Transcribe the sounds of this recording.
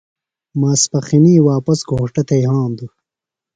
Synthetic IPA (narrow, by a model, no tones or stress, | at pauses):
maːspɐxiniːwaːpɐsɡoːʈɐt̪ʰɐjɦãːmd̪u